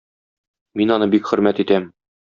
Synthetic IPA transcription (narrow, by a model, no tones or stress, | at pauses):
minɒnɤbikχɵ̆ɾmæt̪it̪æm